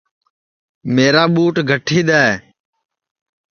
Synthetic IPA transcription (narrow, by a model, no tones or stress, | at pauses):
meːɾaːɓuːʈɡʱəʈʰiːɗ̪aːeː